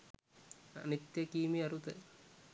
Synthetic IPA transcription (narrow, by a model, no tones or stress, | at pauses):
ɐ̰nit̪jɐkiːmiɐɾut̪ə